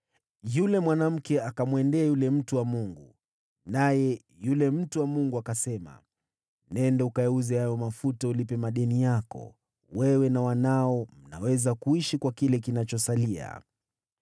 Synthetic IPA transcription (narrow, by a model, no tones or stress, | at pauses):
julɛmwanam̩kɛakamwɛndɛajulɛm̩tuwamuŋɡu | najɛ | julɛm̩tuwamuŋɡuakasɛma̰ | nɛndaukajɛuzɛjajɔmafutaulipɛmaɗɛnijakɔ̰ | wɛwɛnawanaɔm̩na̰wɛzakuiʃikwakilɛkinat͡ʃɔsalia̰